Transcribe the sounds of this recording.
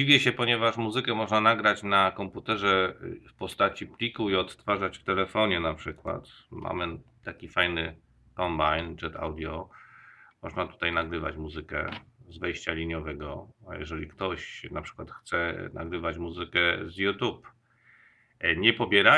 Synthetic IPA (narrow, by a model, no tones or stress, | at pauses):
ivʲjɛɕɛpɔɲɛvaʂmuzɘkɛmɔʐnanaɡɾat͡ɕnakɔmput̪ɛʐɛfpɔst̪at͡ɕiplʲikuiɔt̪t̪faʐat͡ɕft̪ɛlɛfɔɲɛnapʂɘkwa̰t̪ | mʔa̰mɘ | t̪akʲifajnɘ | kɔmbajnd͡ʐɛt̪a̰wd̪ʲjɔ | mɔʐnat̪u̥t̪ajnaɡɾɘva̰t͡ɕmuzɘkɛ̰zvɛjɕt͡ɕalʲiɲɔvɛɡɔ̰jɛ̰ʐɛlʲikt̪ɔɕnapʂɘ̥kwat̪xt̪sɛna̰ɡɾɘvat͡ɕmuzɘkɛzjut̪up | ɲɛpɔbʲjɛɾa